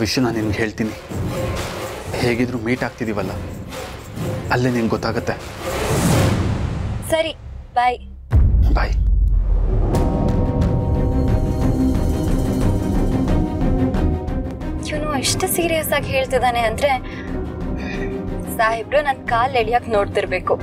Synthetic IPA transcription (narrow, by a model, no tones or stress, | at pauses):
ʋiʂjɐnaːnːimɡɦe̞ːɭt̪ini | he̞ːɡid̪ɾuːmiːʈaːɡ̚t̪id̪iːʋɐlːɐ | ɐlːeːninɡɡɔt̪ːaːɡɐt̪ːe̞ | sɐɾi | baːj | bʱaːj | iʋnueʂʈɐsiːɾijɐsaːɡɦe̞ːɭt̪id̪aːneɐnd̪ɾe̞ | saːɦibɾunɐnd̪kaːleɭijaːknoːɖt̪iɾbe̞ːku